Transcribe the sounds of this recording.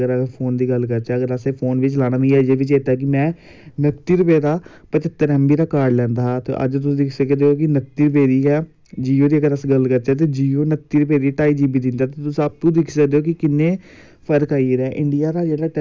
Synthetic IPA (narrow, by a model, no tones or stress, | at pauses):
əɾpʰoːnd̪iːɡəlkəɾt͡ʃaːəɡəɾəsepʰoːnʋɪt͡ʃlaːɽaːmẽaːd͡ʒeːʋɪt͡ʃeːt̪aːk̬ɪmɛ̃ː | nəkt̪iːɾʊpeːd̪aː | pət͡ʃɪt̪ːəɾɛ̃ːmbiːɾaːkaːɾɖlɛ̃ːnd̪aːt̪ḛːʔə̰d͡ʒt̪ʊsĩːd̪ɪkʰsəkd̪eːoːkɪnək̚t̪iːɾʊp̬eːd̪iːɛː | d͡ʒiːoːd̪iːəɡəɾəsɡəlkəɾt͡ʃaːt̪̬eːd͡ʒiːoːnək̚t̪iːɾʊpeːd̪iːʈaːiːd͡ʒiːbiːd̪ɪnd̪aːt̪eːt̪ʊsĩəp̚t̪ũːd̪ɪkʰsəkd̪eːoːkɪkɪnːẽː | pʰəɾkaːiɾɛːʔɪɳɖijaːɾaːd͡ʒeːɽaːʈ